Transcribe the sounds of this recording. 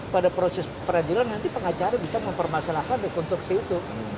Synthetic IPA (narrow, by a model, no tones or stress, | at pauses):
padapɾosɛspəɾadilanːant̪ipəŋat͡ʃaɾabisaməmpərmasalahkandəkɔnt̪ɾuksiːt̪u